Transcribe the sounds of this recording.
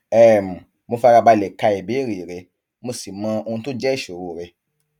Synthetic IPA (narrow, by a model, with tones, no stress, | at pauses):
ɛ˦˨mũ˨ | mo˧fa˦˧ɾa˧ba˧lɛ˨ka˧e˨be˨˦˨ɾi˨ɾe˧ | mo˧si˨mã˧o˧ũ˧to˦d͡ʒɛ˦˨ʃo˨ɾo˨ɾe˧